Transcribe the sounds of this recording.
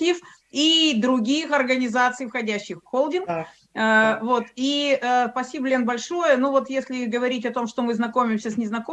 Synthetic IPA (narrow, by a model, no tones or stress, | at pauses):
if | id̪ɾʊɡʲijxɐrɡənʲɪzat̪sɨjfxɐdʲæɕːɪxfxolˠdʲɪnkː | vot̪iəspɐsʲibəlʲenbɐlʲʂojənuvo̞t̪jesʲlʲɪɡəvɐɾʲitʲɐt̪o̞mʂt̪omɨznɐko̞mʲɪmsʲəsʲnʲɪznɐko